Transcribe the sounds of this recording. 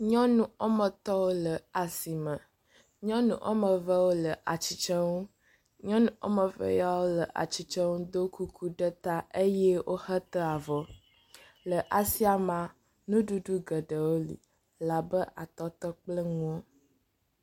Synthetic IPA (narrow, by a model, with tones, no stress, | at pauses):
ɲɔ̃˦nũ˨o˦mə̃˨t̪ɔ˦wo˦lə˨a˨si˨mə̃˨ | ɲɔ̃˦nṵ̃˨ʔo̰˦mə̃˨və˦wo˦lə˨ʔa˨t͡ɕi˨t͡ʃə˦ŋu˦ | ɲɔ̃˦nũ˦o̰˦mə˨və̰˦ja˦wo˦lə˨ʔa̰˨t͡ɕi˨t͡ʃə˦ŋu˦d̪o˦ku˦kʰu˦ɖə˦t̪a˦e˦jɛ˦wʔo˦hə˦t̪ə˦a˨vɔ˨ | lə˨ʔa˨si˦a˨mã˨ | nũ˦ɖu˦ɖu˦ɡə˨ɖə˨wo˦lḭ˨ | la˨bə˦ʔa˨t̪ɔ˦t̪ɔ˦k͡plə˦ŋũ˦o˦